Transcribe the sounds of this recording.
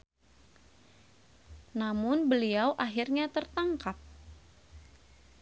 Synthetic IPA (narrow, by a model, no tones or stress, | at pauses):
namʊnbəliawʔaɦirɲat̪ərt̪aŋkap̚